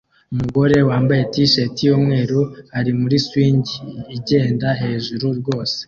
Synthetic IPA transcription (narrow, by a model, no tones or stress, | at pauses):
umuɡo̞ɾe̞waːmbaje̞tiʃetijoːmŋe̞ːɾohaɾimuɾiswiːɲɟiːɟe̞ːndaɦe̞ʒuɾuɾɡo̞ːse̥